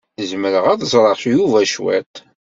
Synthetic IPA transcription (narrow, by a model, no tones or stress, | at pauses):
əzməɾəʁæðzˤɾˤəʃjuvæʃwæ̰t̪